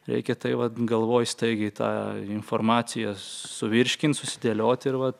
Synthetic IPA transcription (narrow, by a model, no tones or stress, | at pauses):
ɾʲɛ̰ɪkʲɛt̪ɐɪʋɐt̪ɡɐlˠʋoːjst̪ɐɪɡʲɪt̪ɑ̰ːɪnfoːrmɑːt͡s̪ʲɪjɛsʊʋʲɪɾʲʃʲkʲɪnt̪sʊsʲɪd̪ʲelʲoːt̪ʲɪɾʋɐt̪